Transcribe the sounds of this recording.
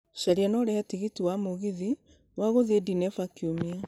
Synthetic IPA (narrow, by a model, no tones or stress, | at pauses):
ʃaɾianɔɾɛhɛtiɣitiwamoɣiði | waɣoðiedinɛfakiomia